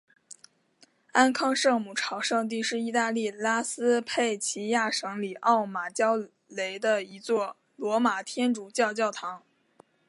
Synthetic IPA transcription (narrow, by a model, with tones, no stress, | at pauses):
a˥nkʰɑ˥˧ŋʂɤ˥˧ŋmu˨˩ʈ͡ʂʰɑ˨˩ʊʂɤ˥˧ŋt̪̬i˥˧ʂɻ̩˥˧i˥˧t̪a˥˧li˥˩la˥sɹ̩˥pʰe˥˩ɪt͡ɕʰi˧˥ja˥˩ʂɤ˧˥ŋli˨˩ʔɑ˥˩ʊma˨˩t͡ɕjɑ˥ʊ | le˧˥ɪd̪ə˧i˧˥t͡swɔ˥˩ | lwɔ˧˥ma˨˩t̪ʰjɛ˥nʈ͡ʂu˨˩t͡ɕjɑ˥˧ʊt͡ɕjɑ˥˩ʊt̪ʰɑ˧˥ŋ